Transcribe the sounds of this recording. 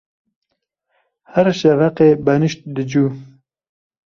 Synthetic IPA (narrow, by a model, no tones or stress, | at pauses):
hæɾʃɛvɐqeːbɐnɨʃt̪̚d̪ɨd͡ʒuː